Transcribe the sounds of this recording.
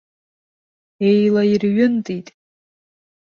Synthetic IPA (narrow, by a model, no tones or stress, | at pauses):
ejlairɥʊntʼitʼ